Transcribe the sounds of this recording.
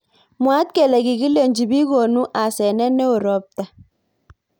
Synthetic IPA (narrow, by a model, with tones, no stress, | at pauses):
mwa˨˦t̪̚ke˨lɛ˨ɡi˨ɡi˦le˨ɲd͡ʒi˨bi˦ɣo˨nu˦ʔa˨sɛ˨nɛ˦nɛ˦o˨ɾɔ˨˦p̚t̪a˨